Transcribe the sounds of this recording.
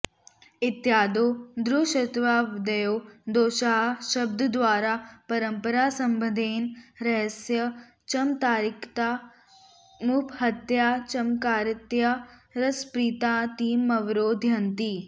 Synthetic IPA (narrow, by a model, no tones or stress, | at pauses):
ɪt̪jaːd̪oːd̪ɾuːʃət̪ʋaːʋɪd̪əjoːd̪oːʃaːɦʃɐbd̪ʱd̪ʋaːɾaːpɐɾəmpəɾaːsɐ̃mbəd̪ʱeːnɾɐɦsjə | t͡ʃɐmt̪aːɾɪkʰt̪aː | muphɐt̪jaːt͡ʃɐmkaːɾɪt̪jaɾɐspɾiːt̪ãːt̪iːmɐʋɾoːd̪ʱjɐnt̪iː